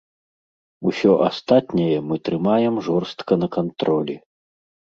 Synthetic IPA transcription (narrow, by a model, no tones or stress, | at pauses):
usʲɔʔast̪at̪nʲɐjɛmɨt̪ɾɨmajɛmʐɔrst̪kɐnɐkant̪ɾɔlʲɛ